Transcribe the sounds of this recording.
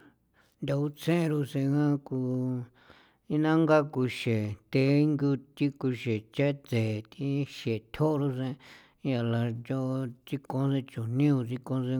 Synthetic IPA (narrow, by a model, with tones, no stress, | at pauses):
nd̪a˧u˦t͡sẽ˦˧ɾu˧sẽ˧ŋã˦ku˧ | i˦nã˦ŋɡa˦ku˧ʃe˨t̪e˧˦ŋɡu˧t̪i˦ku˧ʃe˨t͡ʃe˦t͡se˨t̪i˧˦ʃe˨t̪ʰo˦ʔɾu˧sẽ˧˦ | ja˧la˧d͡ʒo˧t͡si˧kõ˧˦se˧t͡ʃu˨nĩ˦u˧t͡si˧kõ˧se˧